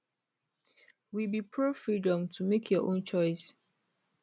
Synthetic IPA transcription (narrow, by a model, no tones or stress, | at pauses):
wibipʰɹofɹidɔ̃mtʰumekʰjɔʔõnt͡ʃɔɪs